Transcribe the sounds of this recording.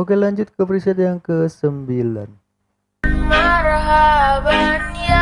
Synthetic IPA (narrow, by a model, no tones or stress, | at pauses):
okelaɲd͡ʒut̪̚kəpəɾisəd̪jaŋkəsəmbilan | maɾaɦaʋani